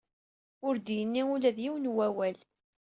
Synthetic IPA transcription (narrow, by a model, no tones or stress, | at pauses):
ʊɾd̪jənːiulæðjiwənwæwæl